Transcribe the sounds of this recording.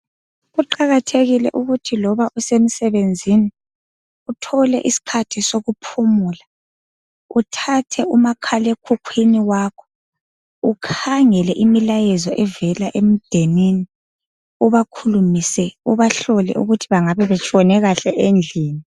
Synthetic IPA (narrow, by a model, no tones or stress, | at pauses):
ɣuǃaɣatʰeɣilɛ̰ʔuɣutʰilɔβaʔusem̩sɛβend͡zʱini | utʰɔlɛ̰ʔisi̥kʰatʰisoɣupʰumuːla | utʰatʰɛumakʰalɛekʰukʰwiniwakʰɔ̥ | ukʰaŋɛlɛʔimilajɛzɔʔɛvɛlaʔem̩d̥ʱenini | uβakʰulumisɛuβaɬɔlɛ̰ʔṵɣutʰiβaŋaβɛβɛt͡ʃʼɔnɛɣaɬɛʔend͡ɮʱiːni